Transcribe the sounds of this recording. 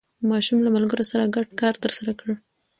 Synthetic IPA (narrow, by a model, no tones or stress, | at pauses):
mɑʃumlamalɡəɾosaɾaɡaɖkɑɾt̪əɾsaɾakəɽ